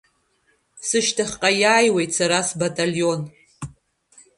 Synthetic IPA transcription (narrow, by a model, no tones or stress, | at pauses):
sɨʃtʰaχʲqʼajaːjwe̞jtʰʼsaɾasbatʼalijo̞n